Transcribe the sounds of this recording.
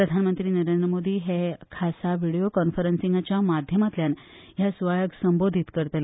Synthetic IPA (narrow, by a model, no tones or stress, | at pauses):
pɾəd̪ʱanmənt̪ɾiːnəɾend̪ɾəmod̪iːɦekʰasaʋiɽijokɔnfəɾənsiŋɡat͡ɕjamad̪ʱjəmat̪ljan | ɦjasʋajəɡsəmbod̪ʱit̪kəɾt̪le